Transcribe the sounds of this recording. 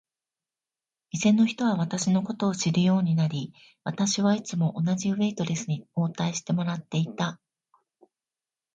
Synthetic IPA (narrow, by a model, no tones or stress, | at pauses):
izẽ̞nːo̞çi̥t̪o̞β̞aβat̪aɕino̞ko̞t̪o̞ːɕiɾɯ̟jo̞ːɲ̟inaɾʲi | βat̪aɕiβait͡sɨmo̞ʔonaʑiɯβe̞it̪o̞ɾe̞sɨɲ̟io̞ːt̪aiɕi̥t̪e̞mo̞ɾat̪ːe̞it̪a